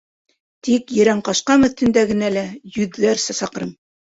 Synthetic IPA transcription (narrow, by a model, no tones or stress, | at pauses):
t̪ikjɘ̆ɾæɴqɑʃqɑmɵ̆θt̪ɘ̆nd̪æɡɘ̆nælæjʉðːæɾsæsɑqɤ̆ɾɤm